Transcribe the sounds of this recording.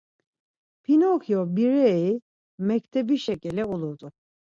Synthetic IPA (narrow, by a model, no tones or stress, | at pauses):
pʰinokjobiɾej | mɛct̪ʰɛbiʃecilʲɛolˠuɾd̪ʊ